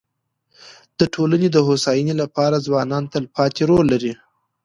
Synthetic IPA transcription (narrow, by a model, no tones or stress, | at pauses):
d̪̥əʈʰolaned̪əɦosɑjənelapɑɾazwɑnɑnt̪alpɑt̪eɾolːaɾi